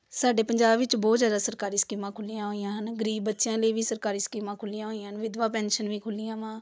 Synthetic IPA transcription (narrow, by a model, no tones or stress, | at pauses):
saːɖeːpəɲd͡ʒaːbʋɪt͡ʃbɔːt̪zjaːd̪aːsəɾkaːɾiːskiːmãːkʰʊlijãːɦoːijãːɦənɡəɾiːbːətːʃjãːləiːʋiːsəɾkaːɾiːskiːmãːkʰʊlijãːɦoːijãːɦənʋɪd̪ʋãːpɛːnʃənʋiːkʰʊlɪjãːʋãː